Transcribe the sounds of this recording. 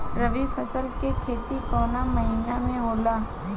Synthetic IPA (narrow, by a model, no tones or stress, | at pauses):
ɾəʋipʰəsəlkekʰeːt̪ikɔːnamɐɦiːnamẽɦoːlaː